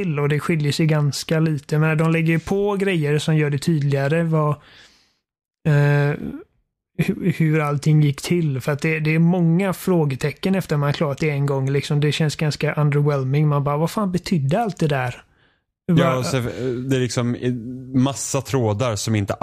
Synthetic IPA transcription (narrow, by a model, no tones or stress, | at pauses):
ɪlːɔd̪ɛɧʏljəsɛjɡanskaliːt̪əjameːnad̪ɔmlɛɡːəjpʰɔɡɾɛjːəɾsɔmjœːɖɛt̪ʰyːd̪lɪaɾəva | hhʉɾalt̪ʰɪŋːjɪkːt̪ʰɪlfœɾat̪̚d̪ɛd̪ɛːɾmɔŋːafɾoːɡət̪ʰɛkːənɛft̪əɾɔmanklɑːɾat̪ɪɛnɡɔŋːlɪksɔmd̪ɛɕɛnsɡanskaʔand̪əɾwɛlmɪŋmanbɑːvafaːnbɛt̪ʰʏd̪ːəalt̪̚d̪ɛd̪æɾ | vjaɛd̪ɛɾlɪksɔmmasːat̪ʰɾoːd̪aɾsɔmɪnt̪ə